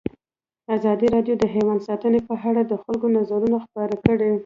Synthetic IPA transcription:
azɑd̪iɾɑɖjod̪əɦemand̪sɑt̪ənepəɦaɽad̪əxalɡonazɑɾunaxpɑɾakəɽe

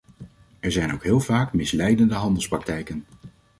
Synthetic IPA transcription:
ɛɹzɛjnowkɦɪːlˠvaːkmɪslɛjdəndəɦɑndəl̩ˠsprɑk̚tɛjkən

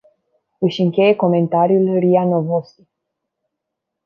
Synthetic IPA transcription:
ɨʃɨŋkʲe̞je̞ko̞me̞nt̪aɾjulrianovosi̥

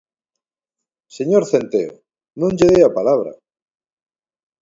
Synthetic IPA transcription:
seɲoɾθent̪eo̰ | nũnd͡ʒeðeapalaβ̞ɾa̰

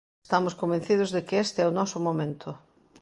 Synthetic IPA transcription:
st̪amʊskombẽnθið̞ʊzðɪkɪest̪ɪɛʊnɔsʊmomẽnt̪ʰʊ

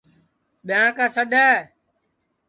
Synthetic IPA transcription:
ɓɪjãːkaːsəɗɛː

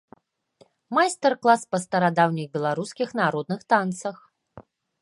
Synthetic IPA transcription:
majst̪ɛrklˠaspɐst̪ɐɾad̪awnʲixbʲɛlˠaɾuskʲixnaɾɔd̪̚nɨxt̪ant̪sɐx

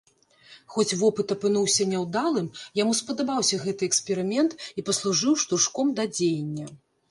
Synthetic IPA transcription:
xɔt͡sʲvɔpɨt̪ɐpɨnuwsʲɐnʲɛwd̪alˠɨmjamuspɐd̪abawsʲɐɣɛt̪ɨɛksʲpʲɛɾɨmʲɛnt̪ipɐslˠuʐɨwʂt̪uʂkɔmd̪ɐd͡zʲejnʲːɐ

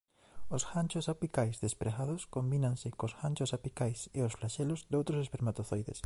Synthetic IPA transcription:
osxant͡ʃosapikajzðespɾeɣaðʊskombinãŋsɪkosxant͡ʃʊsapikajseosflaʃelozd̪owt̪ɾosespeɾmat̪oθojðḛs

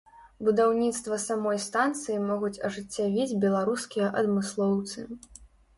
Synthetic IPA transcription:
bud̪awnʲit̪st̪vɐsamɔjst̪ant̪sɨjimɔɣut͡sʲɐʐɨt͡sʲːavʲid͡zʲbʲɛlˠaɾuskʲijɐʔɐd̪mɨslˠɔwt̪sɨ

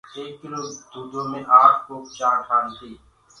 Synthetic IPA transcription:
eːkːɪloːd̪uːd͡ʒõːmẽːʔaːkkoːpt͡ʃaːɾʈʰaːnt̪iː

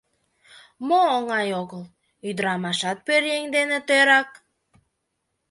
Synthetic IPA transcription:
moːŋɑjoɣəl | yd̪ɾɑmɑʃɑt̪̚pøɾjeŋʲd̪enĕt̪øɾɑk̚

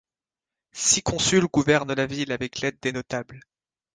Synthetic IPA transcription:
sikʰɔ̃sylɡuvɛʁnlavilavɛklɛd̪̚ːenɔt̪abl

